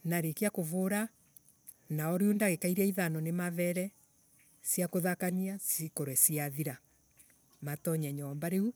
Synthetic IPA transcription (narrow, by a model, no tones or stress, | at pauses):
naɾekeakovoɾa | naɔɾeondaɣekaiɾɛiðanɔnemavɛɾɛ | sjakoðakaniasikoɾwɛsiaðiɾa | matɔɲɛɲɔmbaɾeu